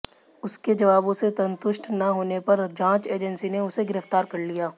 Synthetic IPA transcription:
ʊsked͡ʒɐʋaːbõsesɐ̃nt̪ʊʃʈnɐɦoːnepɐɾd͡ʒãːt͡ʃeːd͡ʒənsineʊseɡɪɾəft̪aːɾkɐɾlijaː

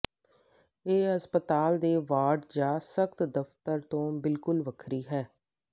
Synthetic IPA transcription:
eːɦəspət̪aːld̪eːʋaːɖd͡ʒaːsəkt̪d̪əft̪əɾt̪õːbɪlkʊlʋəkʰɾiːɦɛː

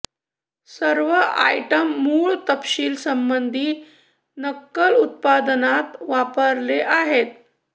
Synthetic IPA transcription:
səɾʋəʔa̰jʈəmːuːɭt̪əpɕiːlsəmbənd̪ʱiː | nəkːəlut̪̚pad̪nat̪ʋapəɾleʔaɦet̪

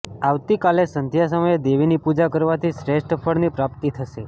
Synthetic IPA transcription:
aʋt̪ikalesənd̪ʱjas̬əməjed̪eʋinipud͡ʒakəɾʋat̪ʰiʃɾeʃʈəfʰəɽnipɾap̚t̪it̪ʰəʃe

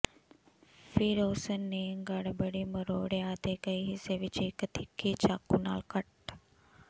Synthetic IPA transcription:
fiɾoːsənːeŋɡɐɽbəɽiːməɾoːɽeaːt̪ekəiɦiseʋit͡ʃiːkət̪ikʰːiːt͡ʃakːuna̰ːlkɐʈ

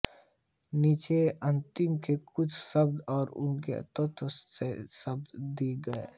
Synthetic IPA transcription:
niːt͡ʃeɐ̃nt̪ɪmkekʊt͡ʃʰsɐbd̪ɔːɾʊ̰nkḛt̪ɔt̪sesɐb̚d̪d̪iːɡɐe

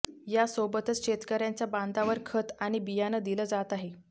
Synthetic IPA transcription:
jasobət̪ət͡sɕet̪kəɾjant͡saband̪aʋəɾkʰət̪aɽ̃ibijanəd̪iləd͡zat̪aɦe

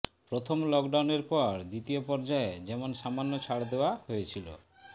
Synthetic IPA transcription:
pɾot̪ʰomlɔkɖawneɾpɔɾd̪it̪iopɔɾd͡ʑaed͡ʑɛmonʃamanːot͡ɕʰaɽd̪eoaɦojet͡ɕʰilo̰

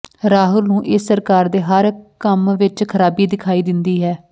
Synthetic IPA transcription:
ɾaːɦʊlnũːʔɪsːəɾkaːɾd̪eːɦəɾkəmʋɪt͡ʃkʰəɾaːbiːd̪ɪkʰaːiːd̪ɪnd̪iːɦɛː

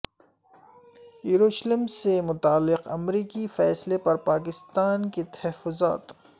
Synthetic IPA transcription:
juɾoːʃləmsemʊt̪aːlːɪqɐmɾiːkifɛːslepɐɾpaːk̬ɪst̪aːnket̪ɐɦɦɛfːʊza̰ːt̪

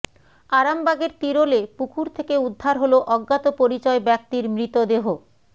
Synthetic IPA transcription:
aɾambaɡeɾt̪iɾolepukʰuɾt̪ʰekeud̪ʱːaɾɦoloʔɔɡːat̪opoɾit͡ɕɔebɛk̚t̪iɾmɾit̪od̪eɦo

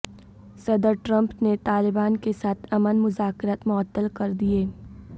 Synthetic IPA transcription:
sɐd̪əɾʈɾɐ̃mpnet̪aːlɪbaːnkesaːt̪ʰɐmənmʊzaːkɪɾaːt̪mɔːt̪ːəlkɐɾd̪ieː

